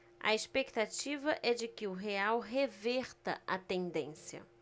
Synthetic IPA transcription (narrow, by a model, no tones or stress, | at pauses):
ɐ̰espekt̪at͡ʃivɐʔɛd͡ʒɪkɪʊɦeawɦevɛɾt̪ɐ̰ɐt̪ẽnd̪ẽsjɐ̰